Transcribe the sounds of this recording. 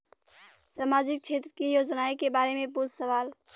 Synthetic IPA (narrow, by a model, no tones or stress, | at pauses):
səmaːd͡ʒɪk̚t͡ʃʰeːt̪ɾəkijoːd͡ʒnaːekebaːɾemẽpʊɾsəʋaːl